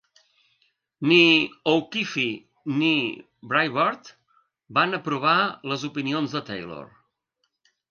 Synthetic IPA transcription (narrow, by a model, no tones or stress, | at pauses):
niowkifi | ni | bɾajβaɾt̪ | banəpɾuβ̞aləzupinionzðət̪ɛ̰jlo̰r